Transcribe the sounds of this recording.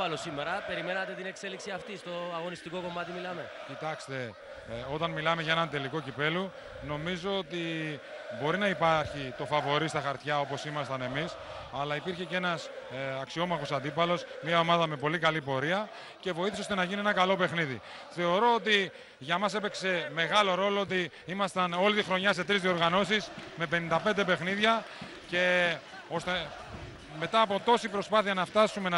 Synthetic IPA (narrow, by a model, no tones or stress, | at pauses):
ɐlosimeɾɐpe̞ɾime̞nɐt̪e̞t̪inekse̞liksiɐft̪ist̪o̞ɐɣo̞nist̪iko̞ko̞mɐt̪imilɐmecit̪ɐkst̪e̞ | o̞t̪ɐnmilɐme̞ʝɐe̞nɐnt̪e̞liko̞cipe̞lu | no̞mizo̞ot̪i | bo̞ɾinɐipɐɾçit̪o̞fɐvo̞ɾist̪ɐxɐɾt̪çɐo̞po̞simɐst̪ɐne̞mis | ɐlɐipiɾçe̞ce̞nɐsɐksio̞mɐxo̞sɐnd̪ipɐlo̞smɐo̞mɐðɐme̞po̞likɐlipo̞ɾiɐ | ce̞vo̞iθiseost̪e̞nɐʝinienɐkɐlo̞pe̞xniðḭ | θe̞o̞ɾo̞ot̪̬i | ʝɐmɐse̞pe̞kse̞me̞ɣɐlo̞ɾo̞loot̪i | imɐst̪ɐno̞lit̪ixɾo̞ɲɐse̞t̪ɾizðio̞ɾɣɐno̞sisme̞pe̞nind̪ɐpe̞nd̪e̞pe̞xniðʝɐ | ce̞ | o̞st̪e | me̞t̪ɐːpo̞t̪o̞sipɾo̞spɐθiɐnɐft̪ɐsume̞nɐ